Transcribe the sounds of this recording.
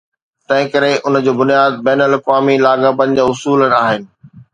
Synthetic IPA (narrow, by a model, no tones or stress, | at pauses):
t̪ɐ̃ɦɪ̃kɐɾeʔʊnə̆d͡ʑoːbʊnijaːd̪̚bɛːnəlɐkʋaːmilaːɡapɐnɪ̆d͡ʑaːʊsuːlənaːɦɪnɪ̆